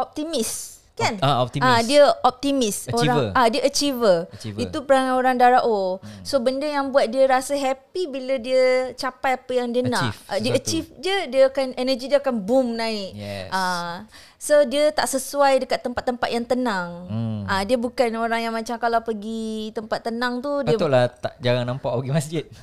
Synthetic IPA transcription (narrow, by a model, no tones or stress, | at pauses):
ɔp̚t̪imis | kanadiəɔp̚t̪imisoɾaadiəʔət͡ʃivəit̪upəɾaŋanoɾaŋdaɾaʔosobəndəjaŋbuat̪̚diəɾasəɦɛpibilədiət͡ʃapajapəjaŋdənaʔdiəət͡ʃifdiədiəkanɛnəd͡ʒidiəakanbumnaɪka | sodiət̪a̰ʔsəsuajdəkat̪ːəmpat̪ːəmpat̪jaŋt̪ənãŋadiəbukanoɾaŋjaŋmãt͡ʃamkalawpəɡit̪əmpat̪ːənãŋt̪udəolaht̪a̰ʔd͡ʒaɾaŋnampaʔpəɡimasd͡ʒɪt̪̚